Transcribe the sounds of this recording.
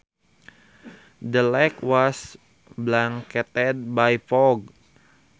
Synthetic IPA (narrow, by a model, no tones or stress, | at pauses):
dəlɛkwɔs | blaŋkɛt̪ɛd̪̚bajfɔɡ̚